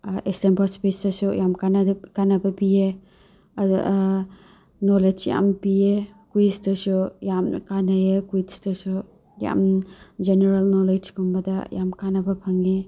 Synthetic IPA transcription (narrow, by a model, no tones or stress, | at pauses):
ʔestempɐspesɐsujamkanɐkanɐbɐpije | ɐd̰ | noled͡ʒja̰mpijekwistɐsujamkanɐjekuistɐsu | ja̰md͡ʒeneɾɐlnoled͡ʒkumbɐdɐja̰mkanɐbɐpʰɐŋe